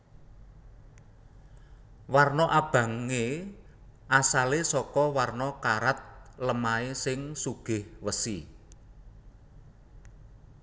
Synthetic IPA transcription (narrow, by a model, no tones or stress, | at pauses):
warnɔʔab̥ä̤ŋe | ʔasalesɔkɔwarnɔkaɾat̪̚ləmaesɪŋsuɡ̥ɪ̤hwəsi